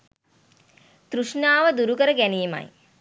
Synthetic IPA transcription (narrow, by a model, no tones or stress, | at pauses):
t̪ɾuʂnaːʋəd̪uɾukəɾəɡæniːma̰j